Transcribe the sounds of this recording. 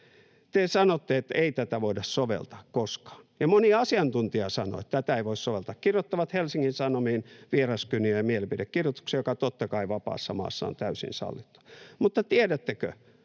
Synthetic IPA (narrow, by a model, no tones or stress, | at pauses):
t̪esɑnot̪ːeet̪eit̪æt̪æʋoidɑssoʋḛlt̪ɑ̥ːkkoskɑ̥ːnjɑmoniɑɑsiɑnt̪unt̪iɑsɑno̰et̪t̪æt̪æeiʋoissoʋelt̪ɑkkirjot̪ːɑʋɑt̪helsiŋːinsɑnomiːnʋierɑskyniøjɑmielepidekkirjot̪u̥ksejokɑt̪ot̪ːɑkɑiʋɑpɑ̰ːsːɑmɑ̰ːsːɑ̰ːont̪æysḭnsɑ̰lːit̪ːu̥mut̪ːɑt̪iedæt̪ːekø̰